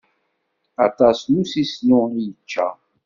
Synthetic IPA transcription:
ɑt̪ˤɑsnusislʊijət͡ʃːæ̰

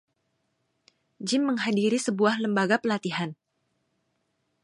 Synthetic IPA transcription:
d͡ʒɪmːəŋɦadiɾisəbuahləmbaɡapəlat̪iɦan

